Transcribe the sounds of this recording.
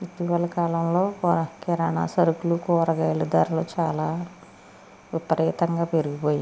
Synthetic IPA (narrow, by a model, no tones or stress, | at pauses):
it̪iʋɐlɐkaːlɐmlo̞ːkɛɾaːɳa̰ːsɐɾukulukɔːɾɐɡɐjlud̪aːɾloːt͡ʃaːlaː | ʋipɐɾɛːt̪ɐŋɡaːpeɾuɡipoːji